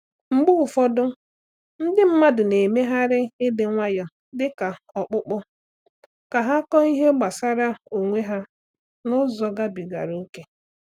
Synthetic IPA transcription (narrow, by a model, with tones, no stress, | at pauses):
ŋ͡m̩˦ɡ͡bʊ˦ʊ˨fɔ˦dʊ˦ | n̩˦dɪ˦m̩˦ma˦dʊ˨ne˨me˦ɦa˦ɾɪ˦ɪ˦dɪ˨˦ŋʷa˦jɔ˨ | dɪ˦ka˨ | ɔ˨k͡pʊ˦k͡pʊ˦ | ka˨ɦa˦kɔ˦i˦ɦe˦ɡ͡ba˨sa˦ɾa˦o˨ŋʷe˦ɦa˦ | nʊ˦zɔ˨ɡa˦bi˨ɡa̰˨ɾu˦ke˦